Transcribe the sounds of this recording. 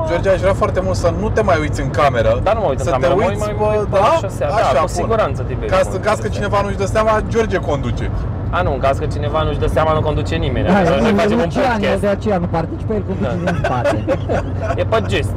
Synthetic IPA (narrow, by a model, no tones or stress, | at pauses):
d͡ʒo̞rd͡ʒiaʒuɾafoart̪e̞mult̪sənut̪e̞majujt̪sʲɨŋkame̞ɾəd̪anuməuit̪ɨŋsəkameuj̪apəd̪aʃasaaʃaauksiɡuɾant̪sət̪ibekasɨŋkazkət͡ʃine̞vanuʃd̪əseamad͡ʒo̞rd͡ʒeko̞nd̪ut͡ʃe̞ | anuɨŋkazkət͡ʃinevanuʃd̪əseamanuko̞nd̪ut͡ʃenimenʲaaaeeuaned̪eat͡ʃejanupart̪it͡ʃi̥pejelkond̪ut͡ʃeunpaɾe | jepəd͡ʒest̪